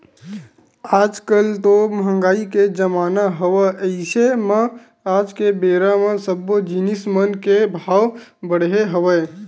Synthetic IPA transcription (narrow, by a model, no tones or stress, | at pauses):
ad͡ʒkəlt̪oməɦəŋɡaːiked͡ʒəmaːnaɦəʋəʔəɪseme | ad͡ʒkebeɾamesəbːod͡ʒinismənkebʱaːwbəɽ̤ɦeɦəʋəj